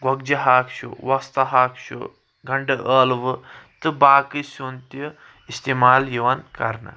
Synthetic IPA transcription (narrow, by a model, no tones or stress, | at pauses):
ɡɐɡ̚d͡ʒɐɦaːkʃṵʋɐst̪ɐɦaːkʃṵ | ɡʱɐɳɖɐʔəːlʋɨt̪ɨbaːkisunt̪ji | ist̪emaːljiʋankɐɾna̰